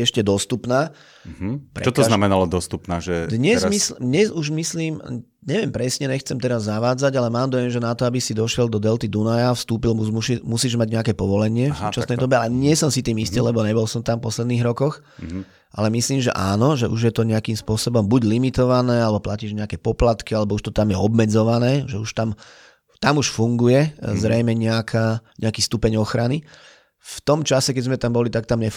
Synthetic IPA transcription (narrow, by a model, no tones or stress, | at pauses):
ɛʃcɛd̪ɔst̪upnaː | pɾɛt͡ʃɔt̪ɔznamɛnalɔd̪ɔst̪upnaːʒɛd̪ɲɛzmislɲɛzuʒmisliːm | ɲɛʋɪɛmpɾɛsɲɛɲɛxt͡sɛmt̪ɛɾazːaʋaːd͡zaɟalɛmaːmd̪ɔjɛmʒɛnat̪ɔabisid̪ɔʃɪɛld̪ɔd̪ɛlt̪id̪unajafst̪uːpilmuzmuʃimusiːʒmaɟɲɛakɛːpɔʋɔlɛɲɪɛffsuːt͡ʃasnɛjd̪ɔbɛaɛɲɪɛsɔmsit̪iːmist̪ilɛbɔɲɛbɔlsɔmt̪ampɔslɛd̪niːɦɾɔkɔx | ʔa̰lɛmisliːmʒɛ̰ʔaːnɔʒɛʔuʒjɛt̪ɔɲɛakiːmspʊɔsɔbɔmbuɟlimit̪ɔʋanɛːalɛbɔplaciːʒɲɛakɛpɔplat̪kialɛbɔuʃt̪ɔt̪amjɛɔbmɛd͡zɔʋanɛːʒɛuʃt̪am | t̪amuʃfuŋɡujɛzɾɛjmɛɲɛakʰaɲɛakiːst̪upɛɲɔxɾani | ft̪ɔmt͡ʃasɛkɛzmɛt̪ambɔlit̪ak̚t̪amɲɛ